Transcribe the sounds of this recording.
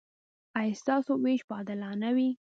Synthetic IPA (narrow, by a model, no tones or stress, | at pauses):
ajst̪ɑsoweʃbɑd̪ɪlɑnawi